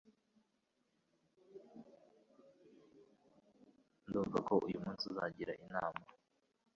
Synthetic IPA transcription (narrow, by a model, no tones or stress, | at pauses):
nduːɱvakʰo̞ʔujumuːnsiza̰ɟiɾaʔinaːma